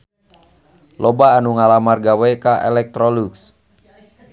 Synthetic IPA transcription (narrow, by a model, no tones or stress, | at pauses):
lɔbaːnuŋalamarɡawɛkaʔɛ̰lɛk̚t̪ɾɔluks